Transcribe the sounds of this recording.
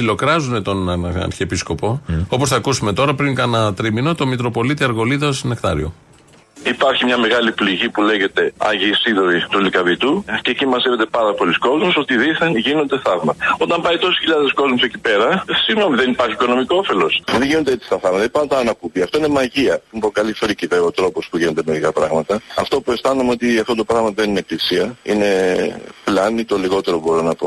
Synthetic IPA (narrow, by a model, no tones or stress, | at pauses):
silo̞kɾɐzune̞t̪o̞nɐ̰ɾçepisko̞po̞o̞po̞sθɐkusume̞t̪o̞ɾɐpɾiŋkɐnɐt̪ɾimino̞t̪o̞mit̪ɾo̞po̞lit̪iɐɾɣo̞liðosine̞kt̪ɐ̰ɾḭo | ipɐɾçimɲɐme̞ɣɐlipliʝipule̞ʝe̞t̪e̞ɐ̰ʝisiðoɾit̪ulikɐvit̪uceːcimɐzeve̞t̪e̞pɐɾɐpolisko̞zmuso̞t̪iðiθenʝino̞nd̪e̞θɐvmɐt̪ɐo̞t̪ɐmpɐit̪o̞si̥çiʎɐðe̞sko̞zmusecipe̞ɾɐsiɣno̞miðe̞nipɐɾçiko̞no̞miko̞ofe̞lo̞sðeʝino̞nd̪eet͡si̥st̪ɐθɐvmɐt̪ɐipɐnot̪ɐːnɐkupiɐft̪o̞inemɐʝiɐmpokɐlifɾiciveot̪ɾo̞po̞spuʝino̞d̪eme̞ɾikɐpɾɐɣmɐt̪ɐɐft̪o̞pue̞st̪ɐnumeo̞t̪iɐft̪ot̪o̞pɾɐɣmɐt̪ðenineklisiɐḭne̞flɐnit̪o̞liɣo̞t̪e̞ɾobo̞ɾinɐpo̞̰